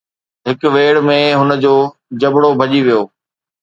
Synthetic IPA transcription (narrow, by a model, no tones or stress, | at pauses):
ɦɪkʋeːɽmẽɦʊnə̆d͡ʑoː | d͡ʑɐbɽobʱɐʄiʋijoː